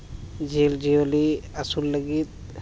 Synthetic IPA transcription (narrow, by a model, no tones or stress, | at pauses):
d͡ʒeːld͡ʒiəliəsulːəɡit̪̚